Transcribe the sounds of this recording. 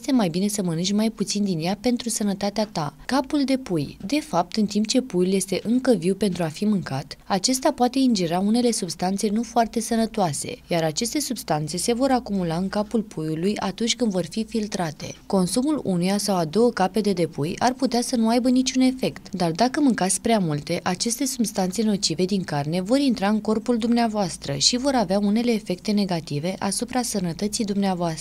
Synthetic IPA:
jst̪e̞majbine̞səmənɨnt͡ʃʲmajput̪sind̪injape̞nt̪ɾusənət̪at̪eat̪akapuld̪e̞pujd̪e̞fap̚t̪ɨnt̪imp̚t͡ʃe̞pujulje̞st̪e̞ʔɨŋkəviwpe̞nt̪ɾuafimɨŋkat̪at͡ʃe̞st̪apoat̪e̞ind͡ʒiɾaune̞le̞subst̪ant̪se̞nufoart̪e̞sənət̪oase̞̰jaɾat͡ʃe̞st̪e̞subst̪ant̪se̞se̞vo̞ɾakumulaɨŋkapulpʰujulujat̪unt͡ʃʲkɨnd̪vo̞rfifilt̪ɾat̪e̞̰ko̞nsumulunujasawad̪o̞wəkape̞d̪e̞d̪e̞pujarput̪easənuajbənit͡ʃʲune̞fe̞kt̪d̪ard̪akəmɨŋkat̪sʲpɾeamult̪e̞ʔat͡ʃe̞st̪e̞subst̪ant̪se̞no̞t͡ʃive̞d̪iŋkarne̞vo̞ɾint̪ɾaɨŋko̞rpuld̪umneavoast̪ɾəʃivo̞ɾaveaune̞le̞ːfe̞k̚t̪e̞ne̞ɡat̪ive̞ʔasupɾasənət̪ət̪sijd̪umneavoast̪ə

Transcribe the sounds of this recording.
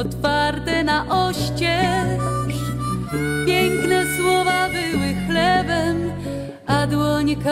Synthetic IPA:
ɔt̪faɾt̪ɛnaʔɔɕt͡ɕɛ | ʂ | pʲjɛŋknɛswɔvabɘwɪxlɛbɛm | ʔad̪wɔɲɛka

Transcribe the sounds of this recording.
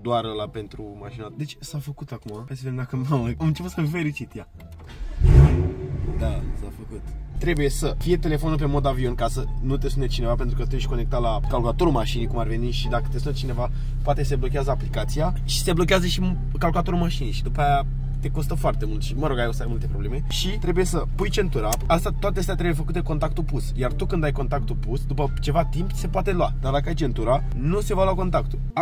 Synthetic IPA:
d̪oarlape̞nt̪ɾumaʃinad̪e̞t͡ʃsafəkut̪akumaajsəved̪emd̪akənamamɨnt͡ʃe̞put̪səmfe̞ɾit͡ʃit̪ja | d̪asafəkut̪t̪ɾe̞buje̞səfije̞t̪e̞le̞fo̞nulpemo̞d̪avionkasənut̪e̞sunet͡ʃine̞vapent̪ɾukət̪ueʃʲko̞ne̞k̚t̪alakalkulat̪o̞ɾulmaʃinijkumarve̞niʃid̪akə̥t̪esunet͡ʃine̞va | poat̪eseblokʲeazəaplikat̪sija | ʃi̥se̞blo̞kʲeazəʃi | kalkulat̪o̞ɾulmaʃinijʃid̪upaja | t̪e̞ko̞st̪əfoart̪e̞mult̪ʃiməɾo̞ɡajewsəajmult̪e̞pɾobleme̞ʃit̪ɾe̞buje̞səpujt͡ʃe̞nt̪uɾa | ast̪at̪oat̪eəst̪at̪ɾe̞bujefəkut̪eko̞nt̪ak̚t̪upusjart̪ukɨnd̪ajko̞nt̪ak̚t̪upusd̪upət͡ʃe̞vat̪impse̞poat̪e̞lwad̪ard̪akəajt͡ʃe̞nt̪uɾa | nuse̞valowako̞nt̪akt̪u

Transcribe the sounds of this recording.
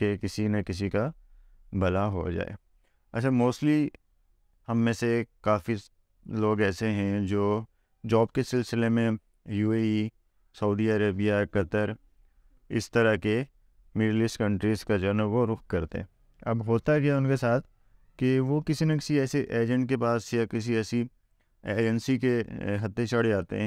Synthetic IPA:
kekɪsinɐkɪs̬ika | bɐlaɦo̰d͡ʒa̰ːḛː | ɐ̰t͡ʃʰaːmoːsʈli | hɐmːẽsekaːfi | loːɡɛːseɦɛ̃d͡ʒoː | d͡ʒɔːb̚kesɪlsɪlemẽ | juːei | sɐuːd̪iɐɾeːbijakɐt̪əɾ | ɪ̰st̪əɾake | mɪɖlɪsʈkɐ̃ɳʈɾizkad͡ʒɐnəbɦoɾʊk̚kɐɾt̪ḛɦɛ̃ | ɐbɦoːt̪akiaʊnkesaːt̪ʰ | kiʋokɪsinekɪ̥siɛːseʔeːd͡ʒə̃ɳʈ̚kepaːsjakɪs̬iɛːsi | eːd͡ʒənsikeɦɐt̪ːet͡ʃɐɽ̤d͡ʒaːt̪ḛɦɛ̃ː

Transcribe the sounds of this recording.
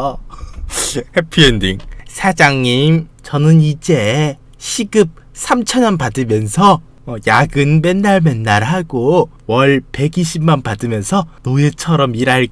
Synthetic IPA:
hepʰiendḭŋsʰad͡ʑaŋɲimt͡ɕʌnɯnid͡ʑe | ɕʰiɡɯp̚ | sʰamt͡ɕʰʌnanpadɯmjʌnsʰʌ | ʌjaɡɯnme̞nːaɭme̞nːaɾɦaɡo | wʌɭpe̞ɡiɕʰimmanpadɯmjʌnsʰʌnoet͡ɕʰʌɾʌmiɾaɭ

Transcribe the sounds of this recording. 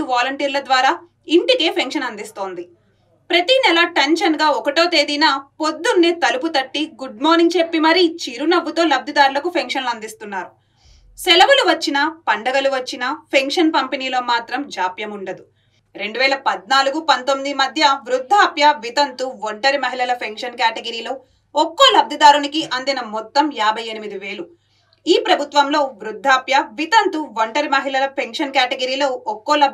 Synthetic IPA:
uʋaːlɐɳʈiːɾlɐd̪ʋaːɾaː | iɳʈike̞ːpʰeŋkʂɐnɐnd̪ist̪o̞ːnd̪i | pɾɐt̪inɛlɐʈenʃɐnɡaːɔkɐʈo̞ːt̪e̞ːd̪inaːpod̪ːunːeːt̪ɐluput̪ɐʈːiɡuɖ̚moːɾniŋɡ̚t͡ʃe̞pːimɐɾit͡ʃiːɾunɐʋːut̪o̞ːlɐb̚d̪ʱid̪aːɾulɐkupʰeŋkʂɐnlɐnd̪ist̪unːaːɾu | sɛlɐʋɐluʋɐt͡ʃːinɐpɐɳɖɐɡɐluʋɐt͡ʃːinɐpʰeŋkʂɐnpɐmpiniːlo̞ːmaːt̪ɾɐmd͡ʒaːpjɐmuɳɖɐd̪u | ɾe̞ɳɖuʋɛːɭɐpɐd̪naːluɡupɐnt̪omːid̪imɐd̪ʱjɐʋɾud̪ʱːaːpjɐʋit̪ɐnt̪uʋoɳʈɐɾimɐɦilɐlɐpʰeŋkʂɐnkaːʈeɡɐɾiːlo̞ː | ɔkːoːlɐb̚d̪ʱid̪aːɾunikiʔɐnd̪inɐmɔt̪ːɐmjaːbʱɐje̞nimid̪iʋe̞ːlu | iːpɾɐbʱut̪ʋɐmlo̞ːʋɾud̪ʱːaːpjɐʋit̪ɐnt̪uʋɐɳʈɐɾimɐɦilɐlɐpʰeŋkʂɐnkjaːʈeɡɐɾiːlo̞ːɔkːoːlɐ

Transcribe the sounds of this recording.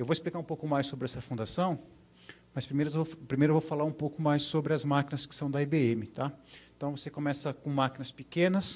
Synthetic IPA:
ewvoɪsplikaɾũpowkʊmajsːobɾɪɛsɐfũnd̪asɐ̃w̃ | mɐspɾimejɾɐvopɾimejɾʊewvowfalaɾũpowkʊmajsːobɾɪɐzmakĩnɐskɪ̥sɐ̃w̃d̪ɐibeẽmɪt̪aɪ̃t̪ɐ̃w̃vosekõmɛsɐkõmakinɐspikẽnɐs

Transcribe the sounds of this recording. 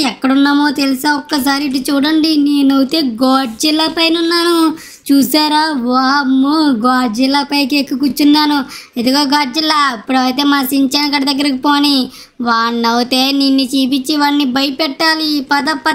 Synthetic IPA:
ɛkːɐɽunːaːmo̞ːt̪eliseːɔkːɐs̬aːɾiiʈ̬ut͡ʃuːɽɐɳɖineːnɐwut̪e̞ːɡoːɖd͡ʒilːɐpɐjnunːaːnu | t͡ʃuːsaːɾaːʋaːmːuɡoːɖd͡ʒilːɐpɐjkekːukut͡ʃːunːaːnued̪uɡaːɡaːɖd͡ʒilːɐipːuɽɐwt̪e̞ːmaːsiɲt͡ʃɐːnɐkːɐɽɐd̪ɐɡːɐɾɐkipoːni | ʋaːɳnɐwut̪e̞ːninːit͡ʃiːpit͡ʃːiʋaːɳːibɐjpɛʈːaːlipɐd̪ɐpːɐ

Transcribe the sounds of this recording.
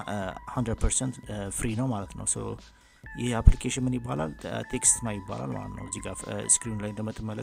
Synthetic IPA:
hand̪ɾəd̪̚pʰəɾsɛnt̪fɾinəwmalət̪nə̰wso̰w | jɪhaplikʰeʃɪnmɨnjɪbːala̰lt̪ʰekst̪nawjɪbːa̰la̰lma̰lə̰t̪nə̰wəzːiɡafskɾinlajnd̪əmət̪ʰʼːəmːələ

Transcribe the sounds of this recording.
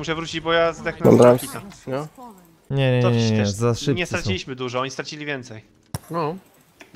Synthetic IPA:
muʂɛvɾut͡ɕid͡ʑbɔjazd̪ɛxnɛa̰md̪ɾamit̪anɔ | ɲɛɲɛɔɲɛɛzaʂɲɛst̪ɾat͡ɕilʲiɕmɘd̪uʐɔɔɲist̪ɾat͡ɕilʲivʲjɛnt̪sɛj | nɔ

